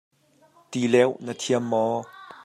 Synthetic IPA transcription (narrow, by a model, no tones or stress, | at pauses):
t̪ilɛwnət̪ʰiəmːɔ